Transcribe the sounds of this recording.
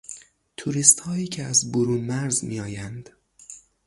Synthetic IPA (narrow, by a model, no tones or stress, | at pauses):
t̪ʰuɾist̪hɒːiːcʰeæzboɾuːnmæɾzmḭːɒːjænd̪̥